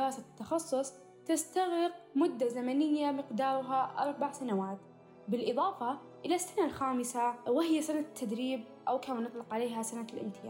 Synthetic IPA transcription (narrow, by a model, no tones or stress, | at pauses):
ɾˤɑːsat̪ːɑxɑsˤːʊsˤ | t̪ɪst̪aɣɾɪq̚mʊd̪ːazamanɪjːamɪqd̪ɑːɾˤʊɦaʔɑ̰ɾˤbaʕsanawaːt̪ | bɪlʔɨðˤɑːfɑ | ʔɪlasːanalxaːmɪsawɪhɪjːasanat̪ʰːad̪ɾiːb̚ʔawkaːmanɨt̪ˤlɪqʕaleːɦasanalʔɪ̰mt̪ʰɪjaː